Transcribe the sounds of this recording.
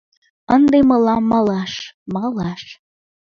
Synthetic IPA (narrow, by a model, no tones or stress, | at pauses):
ənd̪emɤlɑmːɑlɑʃmɑlɑʃ